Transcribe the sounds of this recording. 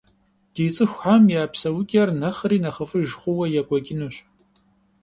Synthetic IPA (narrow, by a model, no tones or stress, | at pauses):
d̥ejt͡sʼɨxʷħʷamjaːpʰsɐwʊkʲʼɐrnɐχəriːnɐχəfɨʒχʷʊwɐjakʷʼɔɡʲɪnuɕ